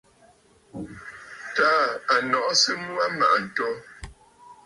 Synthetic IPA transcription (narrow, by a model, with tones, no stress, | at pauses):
taː˦a˨nɔ˨ʔsɨ˦mwa˦ma̰˨ʔn̩˨tɔ˦